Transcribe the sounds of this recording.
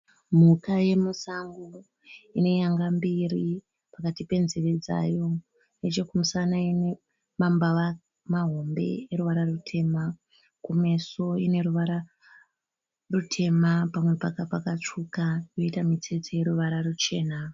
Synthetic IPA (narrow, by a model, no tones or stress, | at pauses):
m̤ukaje̞musaŋɡu | ine̞jaŋɡambiri | pakatipe̞nzeʋed͡za̰jo̞ | net͡ʃe̞kumusanaine | mambaʋa | maɦo̞mbe̞̰eɾuʋaɾarutʰe̞ma | kume̞so̞ine̞ɾuʋaɾa | rutʰe̞mapamwe̞pakapakat͡ʂukajo̞itamit͡se̞t͡seje̞ɾuʋaɾarut͡ʃe̞ːna